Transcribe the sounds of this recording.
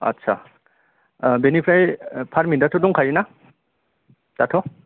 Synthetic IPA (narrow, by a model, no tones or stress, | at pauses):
ɐ̰tːsʰa̰ | benipʰɾajpʰaɾmindatʰɔduŋkʰajina | tatʰɔ